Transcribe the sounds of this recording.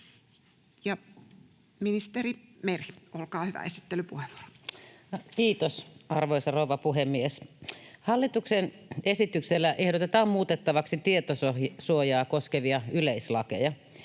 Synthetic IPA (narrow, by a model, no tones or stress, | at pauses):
jɑ | minist̪eɾimeriolkɑːhyʋæ̰esi̥t̪ːelypuheʋʋu̥o̥ro̥ | kiːt̪osɑrʋoisɑrouʋɑpuɦemːieshɑlːit̪uksenesit̪ykselːæʔehɾot̪et̪ɑːmmuːt̪et̪ːɑʋɑksit̪iet̪ososuojɑːkoskeʋiɑyleislɑkḛjɑ